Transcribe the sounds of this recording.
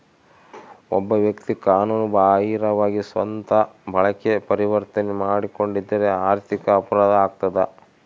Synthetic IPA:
ɔ̰bːɐʋjɐkt̪ikaːnuːnubaːɦiːɾɐʋaːɡisʋɐnt̪ɐbʱɐɭɐkepɐɾiʋɐɾt̪ɐnemaːɽiko̞ɳɖid̪ːɐɾeaːɾt̪ʰikɐːpɐɾaːd̪ɐaːɡ̚t̪ɐd̪ɐ

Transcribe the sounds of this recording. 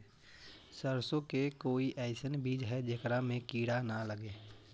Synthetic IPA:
səɾsõkekoːiʔɛɪsənbiːd͡ʒɦɛd͡ʒekɾamẽkiːɽanaləɡeː

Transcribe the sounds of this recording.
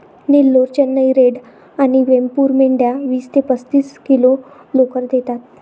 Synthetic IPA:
nelːoɾt͡ɕənːəjɾeɽ | aɽ̃iʋempuːɾmeɳɖjaʋiːst̪epət͡st̪iːskilo | lokəɾd̪et̪at̪̚

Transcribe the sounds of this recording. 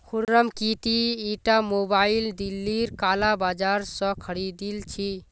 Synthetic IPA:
kʰuɾɾəmkit̪iiʈamobaild̪ilːiɾkalabad͡ʒaɾsə̃kʰəɾid̪ilt͡ʃʰi

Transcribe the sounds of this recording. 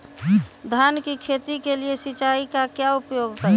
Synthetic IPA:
d̪ʱankikʰet̪ikeliesit͡ʃaikakjaupjoɡkəɾ

